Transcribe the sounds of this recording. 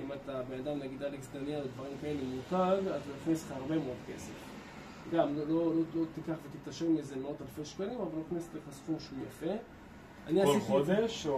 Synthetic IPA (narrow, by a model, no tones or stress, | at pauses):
imat̪abenad̪amnaɡid̪aleksd̪anjaled̪vaʁimkaelemutaɡazoiχneslχahaʁbe̞meod̪ke̞sef | ɡamlolololo̞t̪ikaχvet̪it̪aʃeʁmizemeot̪alfejʃkalimavaloiχnese̥tleχasfuʃeuja̰fe̞ | a̰niaiiode